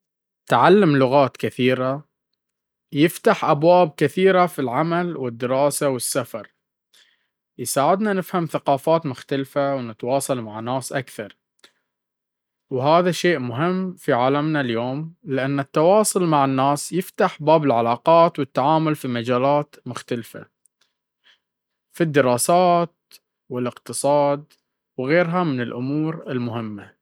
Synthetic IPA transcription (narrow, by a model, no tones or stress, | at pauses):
t̪ʕalːamlʊɣaːt̪kɪθiːɾa | jɪft̪aħʔabwaːb̚kɪθiːɾafilʕamalwɪd̪ːɪɾɑːsawɪsːafɑɾˤ | jsaːʕɪd̪nanɪfhamθaqɑːfaːt̪mʊxt̪alfawnɪt̪wɑːsˤɑlmaʕanːaːsʔakθɑɾˤ | wɦaːðaʃeːʔmʊɦɪmːfiʕaːlamnaljoːmlɪʔanːat̪ːawɑːsˤʊlmaʕanːaːsjɪft̪aħbaːbɪlʕalaːqɑːt̪wɪt̪ːaʕaːmʊlfimad͡ʒaːlaːt̪mʊxt̪alfa̰ | fid̪ːɪɾɑːsaːt̪̚ | wɪlɪqt̪ɨsˤɑːd̪ | wɣeːɾɦamɪnɪlʔʊmuːɾɪlmʊɦɪmːa